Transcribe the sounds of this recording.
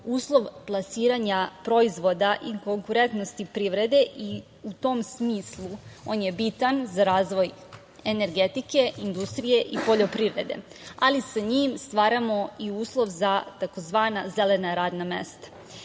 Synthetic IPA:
uːslˠo̞ʋplˠasiːɾaɲapɾo̞izʋo̞d̪aʔiko̞ŋkuɾe̞nt̪nost̪ipɾiʋɾe̞d̪e̞ʔi | ut̪o̞ːmsmiːslˠuo̞̰ːnje̞bit̪anzaɾaːzʋo̞j | e̞ne̞ɾɡet̪ike̞ind̪ust̪ɾije̞ʔipo̞ʎo̞pɾiʋɾe̞̰d̪e̞̰ | alisaɲiːmst̪ʋaːɾamo̞iuːslˠo̞ʋzat̪ako̞zʋaːnazele̞naɾaːd̪namḛst̪ḁ

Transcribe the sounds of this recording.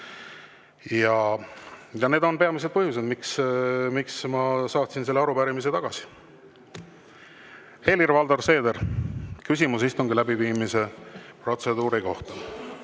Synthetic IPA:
jɑ | jɑne̞ːd̪o̞npe̞ɑmis̬e̥pɤhjus̬ed̪miksmiksmɑsɑːt̪sinselːeɑɾupæɾimis̬e̞t̪ɑɡ̥ɑsi̥ | he̞lirvɑld̪orse̞ːd̪eɾkysʲimus̬ist̪uŋɡilæbiviːmise̞pro̞t̪se̞d̪uːɾiko̞ht̪ɑ

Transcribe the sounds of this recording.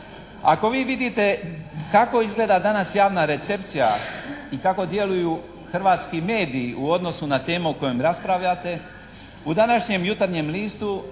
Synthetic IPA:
a̰ko̞ʋiːʋid̪it̪e̞kako̞izɡle̞ːd̪ad̪anasjaːʋnaɾe̞t̪se̞pt̪sijaikako̞d̪je̞lujuː | xr̩ʋaːt̪skime̞ːd̪iːuo̞d̪no̞sunat̪e̞ːmuuko̞jomɾaspɾaʋʎat̪e̞ | ud̪anaʃɲe̞mjut̪aɾɲe̞mliːst̪u

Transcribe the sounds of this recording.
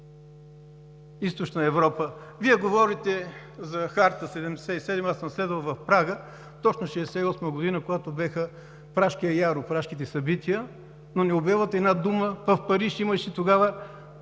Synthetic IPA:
ist̪ot͡ʃnəɛvɾɔpə | viɛɡovɔɾit̪ɛ | zɐxaɾt̪əsɛd̪ɛmd̪ɛsɛisɛd̪masəmslɛd̪vɐlˠvɐfpɾaɡə | t̪ɔt͡ʃnoʃɛd̪ɛsɛiɔsməɡod̪inəkoɡat̪obaxə | pɾaʃkiɛjaɾopɾaʃkit̪ɛsɐbit̪ʰiə | nonɛobɛvət̪ɛd̪nad̪uməpɐfpɐɾiʃiməʃit̪oɡavə

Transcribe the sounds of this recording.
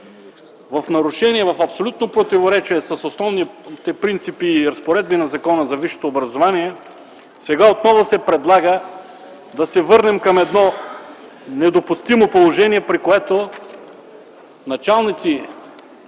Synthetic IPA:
vɐfnɐɾʊʃɛniɛvɐfɐpsolʲut̪nopɾot̪ivoɾɛt͡ʃiɛsɐsosnɔvnit̪ɛpɾint̪sipiːɾɐspoɾɛd̪̚binɐzɐkɔnəzɐviʃo̥t̪oːbɾɐzovaniɛ | sɛɡaot̪nɔvosɛpɾɛd̪lˠaɡə | d̪ɐsɛvɤɾnɛmkɐmɛd̪nɔ | nɛd̪opust̪imopolˠoʒɛniɛpɾikoɛt̪o | nɐt͡ʃalˠnit̪si

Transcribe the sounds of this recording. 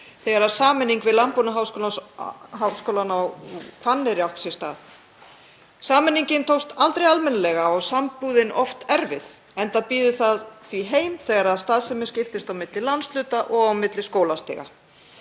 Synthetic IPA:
θɛɣaɾasaːmɪnːiŋkvɪðlampunaɦaːwskoːlanɦawskowlanawkʰvanːɪɾɪawht̪sjɛst̪a̰ːθ | saːmɪnːiɲcɪnt̪ʰowst̪alt̪ɾejalmɛnalɛɣaɔɣsampuːðɪnɔft̪ɛɾvɪð | ɛnt̪apiːðʏθaðθviɦeːjmθɛːɣaɾaðst̪aːðsɛmʏscɪft̪ɪst̪awmɪt̪lɪlanslʏːt̪aʔɔɣawmɪt̪lɪskoːwlast̪ɛ̰ːɣa̰

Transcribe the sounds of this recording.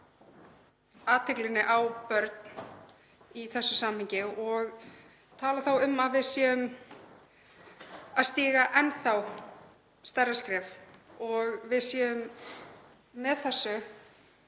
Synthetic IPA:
aːt̪ʰɪklɪnːɪʔawpœɾt̪̚n | iθɛsːʏsaːmhɪɲcɪɔɣ | t̪ʰaːlaθawʏmːaðvɪðsjɛːʏm | aðst̪iːɣaʔɛnθaw | st̪ɛrːaskɾɛːfɔɣvɪðsjɛːʏm | ɛðθɛsːʏ

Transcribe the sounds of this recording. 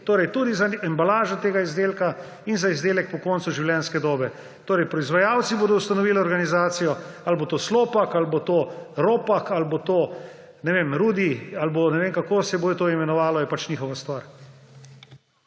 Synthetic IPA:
t̪oːɾɛjt̪uːd̪izaɛmbalaːʒɔt̪eːɡaizd̪eːlka | inzaizd̪eːlɛk̚pɔkɔːnt̪suʒiwljɛːnskɛd̪oːbɛ | t̪oːɾɛjpɾɔizʋajaːwt̪siboːd̪ɔust̪anɔʋiːlɛɔɾɡanizaːt̪sijɔalbot̪oːsloːpakalbot̪oɾoːpakalbot̪oː | nɛʋeːmɾuːd̪ialbonɛʋeːŋkakoːsɛboːjɛt̪oːimɛnɔʋaːlɔjɛpat͡ʃniːxɔʋast̪ʋaɾ

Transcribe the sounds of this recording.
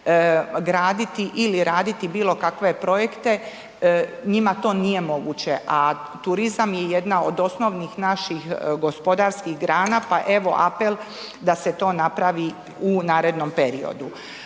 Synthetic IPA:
ɡɾaːd̪it̪iʔiliɾaːd̪it̪ibiːlˠo̞kakʋe̞pɾo̞jekt̪e̞ | ɲimat̪o̞ːnije̞mo̞ɡut͡ɕe̞ʔa | t̪uɾizamjejed̪naod̪o̞sno̞ʋnixnaʃixɡo̞spo̞d̪aːɾskixɡɾaːnapaʔe̞ʋo̞̰ʔa̰pel | d̪aset̪o̞ːnapɾaʋi | unaːɾe̞d̪no̞mpe̞ɾio̰d̪u

